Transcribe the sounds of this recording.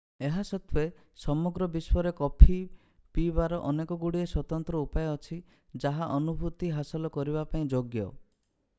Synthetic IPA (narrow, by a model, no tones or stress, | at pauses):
eɦasɔt̪ʰwe | sɔmɔɡɾɔbiswɔɾekɔpʰi | pibaɾɔʔɔnekɔɡuɽieswɔt̪ɔnt̪ɾɔupajeɔt͡ʃʰi | d͡ʒaɦaʔɔnubʱut̪iɦasɔlɔkɔɾibapaĩd͡ʒoɡjɔ